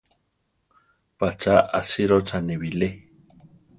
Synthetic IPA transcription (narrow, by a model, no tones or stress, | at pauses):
pat͡ʃaʔasiɾot͡ʃaneβile